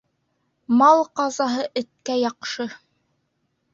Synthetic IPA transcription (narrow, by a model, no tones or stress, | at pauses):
mɑlˠqɑzɑɦɤʔɘ̆t̪̚kæjɑqʃɤ